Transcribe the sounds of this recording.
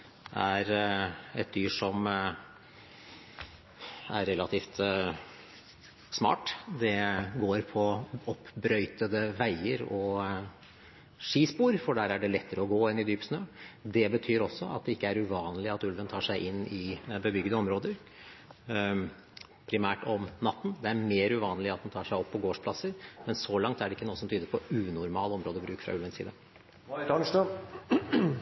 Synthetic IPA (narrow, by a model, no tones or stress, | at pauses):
ʔæɾɛt̪̚d̪yːʂɔm | æ̰ɾːɛlɑt̪ʰiːft̪ | smɑ̰ːʈd̪ɛɡoːɾpʰɔɔpːbɾœʏt̪əd̪əʋæɪəɾɔ | ʂiːspuːɾfɔɖæːɾæɖɛlɛt̪ːəɾəɔɡoːɪnɪd̪yːpsnøːd̪ɛbət̪ʰyːɾɔsːɔɑ̰t̪̚d̪ɛɪkːəæɾʉʋɑːnəlɪɑt̪ʉlʋənt̪ʰɑːʂæɪʔɪnːɪbəbʏɡd̪əɔmɾoːd̪əɾ | pʰɾɪmæːʈɔmnɑt̪ːn̩d̪ɛæɾmeːɾʉʋɑːnəlɪɑt̪̚d̪ɛnt̪ʰɑːʂæɪɔpːɔɡoːʂpʰlɑsːəɾmɛnsɔlɑŋt̪æɖɛɪkːənuːəsɔmt̪yːd̪əɾpʰɔʉːnʊɾmɑːlɔmɾoːd̪əbɾʉːkfɾɑ̰ʉlʋənsḭːd̪ə | t̪nʂt̪ɑ